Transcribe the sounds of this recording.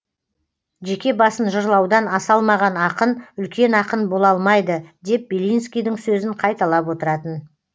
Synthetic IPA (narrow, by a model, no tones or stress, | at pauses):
ʒe̞kʲe̞bɑsənʒʊɾlˠɑwd̪ɑnɑsɑlˠmɑʁɑnɑqənʏlkʲe̞nɑqənbo̞lˠɑlˠmɑjd̪əd̪e̞p̚b̥elijnskʲijd̪ɪŋsɵzɪɴqʰɑjt̪ɑlˠɑpwo̞t̪əɾɑt̪ən